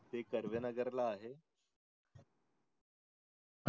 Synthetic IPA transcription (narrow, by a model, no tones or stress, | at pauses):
t̪ekəɾʋenəɡəɾlaːɦe